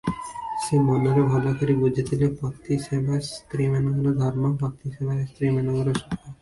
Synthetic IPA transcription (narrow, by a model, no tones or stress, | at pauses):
ʃemɔnoɾobʱɔd̪akaɾibud͡ʑʱet̪ʰilepɔt̪ːiʃebʱast̪ɾimɛnɔɡɔlod̪ʱɔɾmopɔt̪ːiʃebʱaest̪ɾimanoɡɔloʃɔkːa